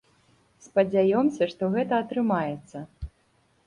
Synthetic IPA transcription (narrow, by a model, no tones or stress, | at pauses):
spɐd͡zʲajɔmsʲɐʂt̪ɔɣɛt̪ɐːt̪ɾɨmajɛt̪sːɐ